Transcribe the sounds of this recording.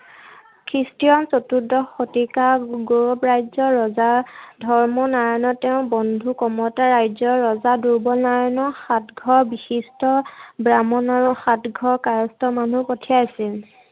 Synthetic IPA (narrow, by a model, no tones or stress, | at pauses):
kʰɹistijɔnsotudɔxotikaɡoɹɔpɹajzɔɹɔzadʱɔɹmɔnaɹanɔtːeʊ̃bɔndʱukɔmɔtaɹajzɔɹɔzaduɹbɔnaɹanɔxatɡʱɔɹbixistɔbɹamɔnaɹuxatɡʱɔɹkaɹɔstɔmanupotʰijaasil